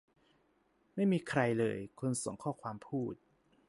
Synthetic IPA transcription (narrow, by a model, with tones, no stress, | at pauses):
ma˥˩jmiː˧kʰɾa˧jlɤ̰ː˧jkʰo˧nso˩˦ŋkʰɔː˥˩kʰwaː˧mpʰuː˥˩t̪̚